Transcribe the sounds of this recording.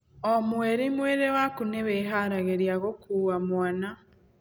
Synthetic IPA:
omweɾemweɾewakuneβeɦaɾaɣeɾiaɣokuɣamwana

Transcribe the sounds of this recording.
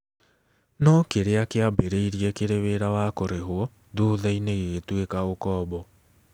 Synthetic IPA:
nɔkeɾeakeabeɾeiɾiɛkeɾeβeɾawakoɾeɦwɔ | ðoðaineɣetwekaokɔːbɔ

